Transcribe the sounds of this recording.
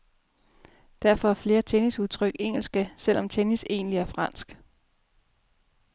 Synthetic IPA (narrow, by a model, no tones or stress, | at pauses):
d̥æɐfɒ̽æɐfle̝ːɐt͡sʰenisuðˠt͡sʰʁœɡ̥e̝ŋ̰l̩sɡ̥əsel̰ɒ̽mt͡sʰenise̝̰ːnliæɐfʁɑ̈n̰sɡ̥